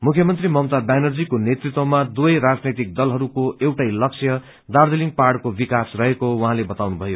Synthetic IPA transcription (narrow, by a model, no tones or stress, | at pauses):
mukʰjʌmʌnt̪rimʌmt̪abanʌrd͡zikonet̪rit̪wʌmad̪uʌjɾad͡znet̪ik̚d̪ʌlɦʌɾukoʔewʈajlʌksʰjʌ | d̪ard̪eliŋɡpaɽkobikasrʌɦekowʌɦãlebʌt̪awnubʱʌjo